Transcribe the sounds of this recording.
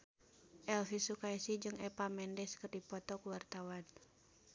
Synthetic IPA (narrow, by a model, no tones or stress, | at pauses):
ʔɛlfisukaisid͡ʒɨŋɛpamɛndɛskɨrdipɔt̪ɔkuwart̪awan